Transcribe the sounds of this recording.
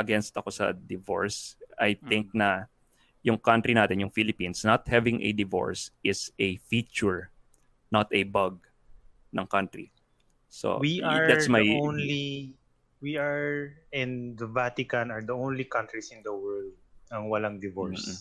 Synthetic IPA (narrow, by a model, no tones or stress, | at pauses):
ʔɐɡɛnst̪ɐko̞sɐ̰d̪ɪvo̰ɹsʔɐjt̪ɪ̃ŋk̚nɐ | jʊŋkant̪ɾinaːt̪ɛnjʊŋfilɪpĩnsnɐt̪̚hɛvɪŋʔɛ̰d̪ɪvo̰ɹsʔɪsɛfit͡ʃʊɹ | nɐt̪ɛbaɡ̚ | nɐŋkant̪ɾḭ | so̰wiaɹd̪assmajonli | wiaɹɛ̃nɐvat̪ɪkɐ̃nɐɹd̪ɐõwnlikãnt̪ɹisɪ̃nd̪ɐwɛɹld̪̚ɐŋwɐlaŋd̪ɪvoɹms